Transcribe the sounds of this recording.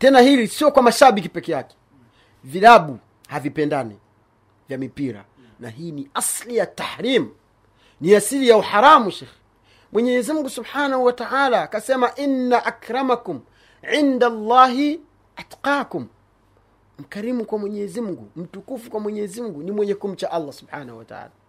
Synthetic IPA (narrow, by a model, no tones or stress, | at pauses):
tɛnahilisiɔkwamaʃaɓik̬ipɛkɛjakɛ̥ | vilaɓu | havipɛndanḭ | vjamipiɾa̰ | na̰ɦiːniaslijataħɾiːmu | niasilijauħaɾamuʃɛːx | mwɛɲɛzimuŋɡusubħaːnahuwataʕalaːkasɛmaʔinːaʔakɾamakum | ʕindalːɑːɦi | ʔatqaːkum | m̩kaɾimukwamwɛɲɛzimuɡum̩tukufukwamwɛɲɛzimuɡunimwɛɲɛkum̩t͡ʃaʔalːasubħaːnahuwata̰ʕa̰ːla